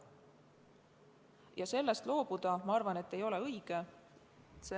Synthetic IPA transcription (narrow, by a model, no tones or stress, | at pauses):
jɑse̞lːest̪lo̞ːb̥ud̪̥ɑmɑɑrvɑne̞t̪ːe̞jo̞le̞ɤjiɡ̥e